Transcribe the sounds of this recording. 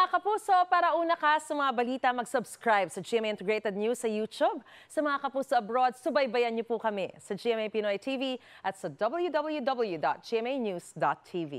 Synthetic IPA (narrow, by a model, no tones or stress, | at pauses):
mɐŋakɐpuːso̞paːɾɐʔuːnɐkasɐmɐŋabɐliːt̪ɐmɐɡsʊbskɹajb̚sɐd͡ʒiɛmɛjʔɪnt̪ɛɡɹet̪ɛd̪̚nusɐjut͡ʃ̪ub̚sɐmɐŋakɐpuːsoʔɐbɾod̪̚sʊbɐjbɐjɐnɲopukɐmɛsɐd͡ʒiʔɛmɛjpɪnojt̪ʰiviʔɐt̪sɐd̪ɔbɐl̩ˠjud̪ɔblˠjud̪ɔbɛlˠjud̪ɔ̰t̪̚d͡ʒ̥iɛmejnjusd̪ot̪t̪ʰːivḭ